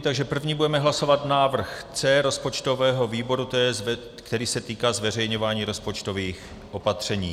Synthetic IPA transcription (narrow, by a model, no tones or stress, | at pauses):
t̪aɡʒɛpr̩vɲiːbudɛmɛɦlaso̞vat̪naːvr̩xt͡sɛːɾo̞spo̞t͡ʃt̪o̞vɛːɦo̞viːbo̞ɾut̪ɛɛ | kt̪ɛɾiːsɛt̪iːkaːzvɛrɛjɲo̞vaːɲiːɾo̞spo̞t͡ʃt̪o̞viːx | ʔo̞pat̪r̝̥ɛɲiː